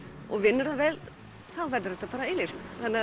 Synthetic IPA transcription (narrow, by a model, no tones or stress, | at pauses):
ɔɣvɪnːʏɾhanvɛːl | θawvɛɾðʏɾɛht̪apaːɾaɪlɪr̥t̪θanːɪ